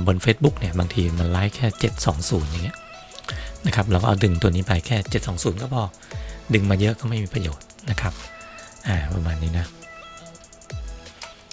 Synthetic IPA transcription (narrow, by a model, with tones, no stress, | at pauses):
bo˧nfeː˦˥t̪̚bu˦˥k̚ni˥˩ɐbaː˧ŋt̪ʰiː˧ma˧nlaː˦˥jkʰɛː˥˩t͡ɕe˨˩t̪̚sɔː˩˦ŋsuː˩˦nja˨˩ŋːi˦˥ɐʔ | na˦˥kʰa˦˥p̬̚ɾa˧wkɔː˥ʔa˧dɯ˧ŋt̪u˧niː˦˥pa˧jkʰɛː˥˩t͡ɕe˨˩t̪̚sɔː˩˦ŋsuː˩˦nkɔː˥˩pʰɔː˧˩ | dɯ˧ŋmaː˧jɤ˦˥ʔkɔː˥˩ma˥˩jmiː˧pɾa˧joː˨˩t̪̚na˦˥kʰa˦˥p̚ʔaː˨˩pɾa˧maː˧nːiː˦˥na˦˥